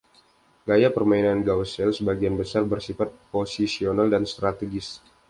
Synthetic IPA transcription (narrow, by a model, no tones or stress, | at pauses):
ɡajapərmainanɡawsɛlsəbaɡianbəsarbərsifat̪̚posisionaldanst̪ɾat̪əɡɪs